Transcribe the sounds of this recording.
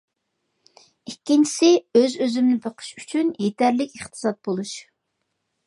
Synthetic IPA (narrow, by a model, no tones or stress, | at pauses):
ikʲːint͡ʃʰi̥sɪøzøzymnɪbʰəqʰə̥ʃyt͡ʃʰynjet̪ʰæɾlɪkʲeχt̪ʰɨ̥sɑt̪̚bolˠuʃ